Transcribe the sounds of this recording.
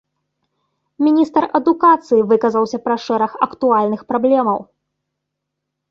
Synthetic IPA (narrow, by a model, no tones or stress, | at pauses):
mʲinʲist̪ɐrɐd̪ukat̪sɨjivɨkɐzɐwsʲɐpɾɐʂɛɾɐxɐ̰kt̪ualʲnɨxpɾablʲɛmɐw